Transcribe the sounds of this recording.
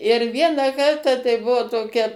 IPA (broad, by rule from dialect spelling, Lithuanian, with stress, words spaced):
ɪr ˈʋʲiɛnɑː ˈkɐrtɑː tɐɪ ˈbuɔ toːˈkʲɛ